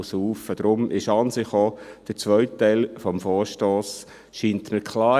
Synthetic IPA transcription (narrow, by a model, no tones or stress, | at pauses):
suːfəd̥ɾʊmʔɪʃɑnsɪχoːd̥əɾt͡sʋœʏttːæɪlfɔmfɔːɾʃtoːs | ʃiːntməkʰlɑː